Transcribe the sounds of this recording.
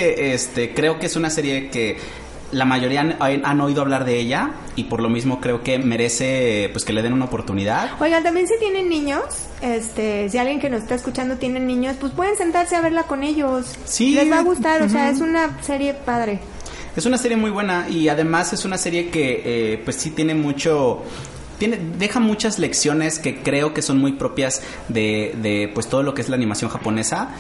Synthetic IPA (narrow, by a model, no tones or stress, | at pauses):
eʔest̪e̞kɾe̞o̞keesunase̞ɾje̞ke̞ | lamaʝo̞ɾiaano̞iðoaβ̞laɾðe̞e̞ʝa | ipo̞ɾlo̞mizmo̞kɾe̞o̞ke̞me̞ɾe̞se̞pweske̞le̞ðe̞nunaopoɾt̪uniðaðo̞jɣat̪ambje̞nsit̪je̞nẽ̞nːĩɲo̞s | e̞st̪esialɣje̞ŋke̞nosest̪aeskut͡ʃand̪ot̪je̞ne̞nːĩɲo̞spospwe̞ðe̞nse̞nt̪aɾse̞aβe̞ɾlako̞ne̞ʝo̞s | sileβaɣust̪aɾoseae̞sunase̞ɾje̞paðɾe̞ | esunaseɾjemujβwe̞naʔiaðe̞mase̞sunase̞ɾje̞ke̞epwe̞sːit̪je̞ne̞mut͡ʃo | t̪jeneðe̞xamut͡ʃazle̞ksjo̞ne̞ske̞kɾe̞o̞ke̞so̞nmujpɾo̞pjaz | ðe̞ðe̞pwest̪o̞ð̞o̞lo̞keezlaːnĩmasjo̞ŋxapo̞ne̞sa